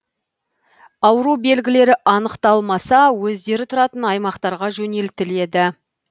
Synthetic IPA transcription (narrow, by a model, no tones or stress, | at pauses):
ɑwəɾube̞lɡʲɪle̞ɾɪʔɑnəqt̪ɑlˠmɑsɑwɵzd̪e̞ɾɪt̪ʰʊɾɑt̪ənɑjmɑqt̪ɑɾʁɑʒɵne̞lt̪ɪle̞d̪ɪ